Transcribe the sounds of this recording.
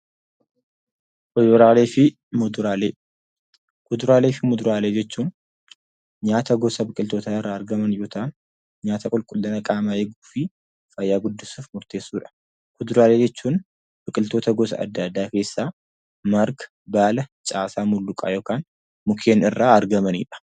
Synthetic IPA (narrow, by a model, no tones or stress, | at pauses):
kʊd̪ʊɾaːleːfɪ | mʊd̪ʊɾaːle | kʊd̪ʊɾaːleːfɪmʊd̪ʊɾaːleːd͡ʒɛt͡ʃːuːn | ɲaːt̪ɐɡɔsɐbɪkʼɪlt̪oːt̪aɪrːaːɐɾɡɐmɐnjoːt̪ʰɐʔn | ɲaːt̪ʰɐkʼʊlkʼʊlːɐnɐkʼaːmaɛɡuːfɪ | fɐjːaːɡʊd̪ːɪsuːfmʊɾt̪e̞ːsːuːᶑɐ̥ | kʊd̪ʊɾaːle̞ːd͡ʒɛt͡ʃːuːn | b̥ɐkʼɪlt̪oːt̪ɐɡɔs̬ɐ̰ɐ̰d̪ːɐd̪ːaːke̞ːsːaː | mɐɾɡ | baːlɐt͡ʃʼaːsaːmʊlːʊkʼa̰ːjo̞ːkaːn | mʊkʰeːnɪrːaːɐɾɡɐmɐnḭːᶑɐ̥